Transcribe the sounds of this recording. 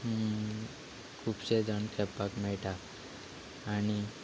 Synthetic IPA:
kʰubsed͡z̪ʱəɳkʰɛpːakmɛɭʈʰa | ni

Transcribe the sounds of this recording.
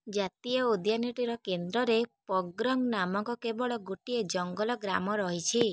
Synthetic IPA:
d͡ʒat̪iɔud̪janiʈiɾɔkend̪ɾɔɾepɔɡɾɔŋnamɔŋkɔkebɔɭɔɡuʈied͡ʒɔŋɡɔlɔɡɾa̰mɔɾɔɦit͡ʃʰi

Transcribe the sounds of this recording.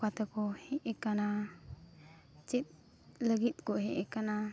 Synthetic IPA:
kat̪ɛkɔhɛʔɛkana | t͡ʃit̪̚ | ləɡit̪̚kɔɦɛ̃ʔɛkana

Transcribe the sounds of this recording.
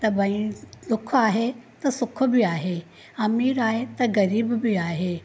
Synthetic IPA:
t̪ɐbɐĩd̪ʊkʰaːɦet̪ɐsʊk̆ʰbiaːɦe | ɐmiːɾaːɦet̪ɐɣɐɾiːbbiaːɦeː

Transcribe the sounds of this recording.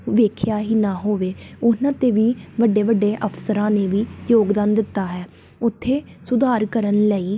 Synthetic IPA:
ʋeːkʰjaːɦiːnaːɦoːʋeːʊnãːt̪eːʋiːʋəɖːeːʋəɖːeːʔəpʰsəɾãːneːʋiːjoːɡd̪ãːnd̪ɪt̪ːaːɦɛː | ʊt̪ʰːeː | sʊd̪aːɾkəɾənləiː

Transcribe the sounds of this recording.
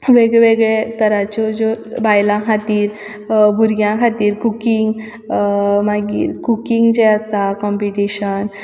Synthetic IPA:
ʋeɡɭeʋeɡɭet̪əɾat͡ɕɔd͡ʑobajlãkʰat̪iːɾ | bʱuɾɡjãkʰat̪iːɾkukiŋɡ | maɡḭːɾkukiŋɡd͡ʑeasakɔmpiʈiɕən

